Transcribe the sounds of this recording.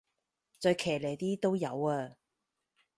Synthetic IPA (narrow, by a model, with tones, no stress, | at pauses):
t͡sœ˧jkʰɛː˨˩leː˨˩jt̪iː˥t̪o˥wjɐ˨˧waː˧